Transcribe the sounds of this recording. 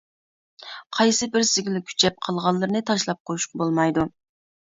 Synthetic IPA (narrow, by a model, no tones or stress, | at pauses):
qʰɑjsɨbɪɾsɪɡʲilɪkʲʰy̥t͡ʃʰɛp̚qʰɑlˠʁɑlˠːɨɾnɨt̪ʰɑʃlˠɑp̚qʰojuʃqʰɑbolˠmɑjd̪u